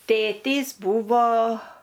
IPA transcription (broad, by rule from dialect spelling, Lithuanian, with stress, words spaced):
ˈtʲeːtʲiːs ˈbuːʋoː